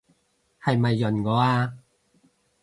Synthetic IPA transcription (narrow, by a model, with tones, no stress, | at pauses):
hɐ˨jmɐ˨jːɵ˨˩nkɔː˨˥aː˧